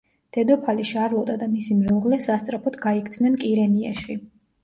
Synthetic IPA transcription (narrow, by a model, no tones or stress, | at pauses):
d̪̥ɛd̪ɔpʰaliʃaɾvɔd̪ʼad̪amisimɛuʁlɛsast̪sʼɾapʰɔt̪ɡaikʰd̪nɛmkʼiɾɛnia̰ʃi